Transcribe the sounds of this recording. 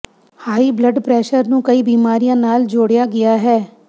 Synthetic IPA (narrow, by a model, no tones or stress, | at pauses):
haːiːbləɖpɾɛːʃəɾnũːkəiːbiːmaːɾijãːnaːld͡ʒoːɽjaːɡɪjaːɦɛː